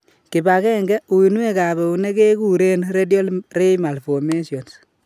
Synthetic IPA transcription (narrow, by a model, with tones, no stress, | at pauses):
ki˨ba˨kɛ˦ŋɡɛ˦u˨i˨nu˦e˦ka˨βe˨u˨ne˦ke˦ku˨ɾe˦nɾe˦djo˦lre˦ma˨lfo˨me˦sjo˨ns